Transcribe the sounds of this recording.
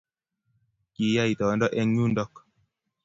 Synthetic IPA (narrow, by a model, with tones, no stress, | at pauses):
ki˨˦ja˦i˨tɔ˨˦ndɔ˦ʔɛ˦ŋɲu˦ndɔ˦k